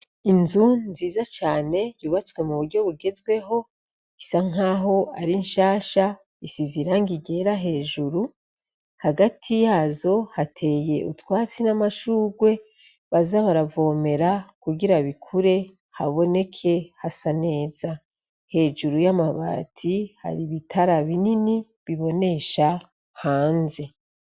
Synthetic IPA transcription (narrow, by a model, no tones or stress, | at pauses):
inzunziːzat͡ʃaːne̞juːβat͡swe̞muβuɾɟo̞βuɡe̞zɡwe̞ɦo̞ | isaŋ̥aɦo̞aɾinʃaːʃa | isiziɾaŋɡiɟe̞ɾaɦe̞ːʒuɾu | haɡatʰijaːzo̞hatʰe̞je̞ʔutwaːt͡sinamaʃuːɡwe̞ | βazaβaɾavo̞ːme̞ɾakuɡiɾaβikʰuɾe̞ | haβo̞ne̞kʰe̞hasane̞ːz̥a | he̞ːʒuɾujamaβa̰ːtʰiha̰ɾiβitʰaɾaβinini | βiβo̞ne̞ʃa | haːnze̞